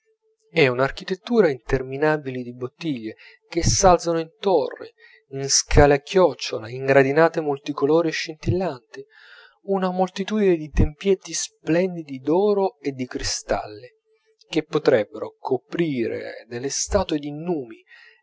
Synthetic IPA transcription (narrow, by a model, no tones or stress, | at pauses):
ɛunark̟it̪et̪ːuːɾaint̪erminaːbilid̪ibot̪ːiʎːe | k̟esːalsanoint̪orːḭ | inskʰaːleakːjɔt͡ʃːolaiŋɡɾad̪inaːt̪emolt̪ikoloːɾieʃːint̪ilːant̪i | unamolt̪it̪uːd̪ined̪it̪empjɛt̪ːisplɛnd̪id̪id̪ɔːɾoed̪ːikɾist̪a̰lːi | k̟epːot̪ɾɛbːeɾokʰopɾiːɾḛd̪elːest̪aːt̪ued̪inuːmi